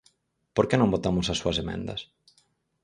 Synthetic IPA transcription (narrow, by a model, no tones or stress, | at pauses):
poɾkenõmbot̪amʊsɐsːuɐsemḛ̃nd̪ɐ̰s